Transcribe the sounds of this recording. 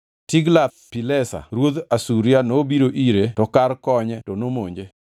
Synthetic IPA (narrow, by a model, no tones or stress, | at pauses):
tiɡlat̚pilɛsa̰ɾwod̪asuɾjanobiɾoʔiɾetɔkarkɔɲɛtɔnomoɲd͡ʒe